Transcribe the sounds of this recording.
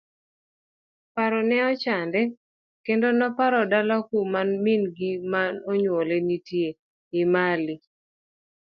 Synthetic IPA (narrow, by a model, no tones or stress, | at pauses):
paɾɔnɛɔt͡ʃandɛ | kendonɔpaɾɔdalakumanminɡimanɔɲwolɛnitje | ɪmali